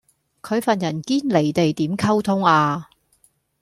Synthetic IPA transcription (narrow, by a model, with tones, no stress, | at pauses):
kʰɵ˨˧ɥfɐ˨njɐ˨˩nkiː˥nle˨˩jt̪e˨jt̪iː˨˥mkʰɐ˥wt̪ʰʊ˥ŋaː˧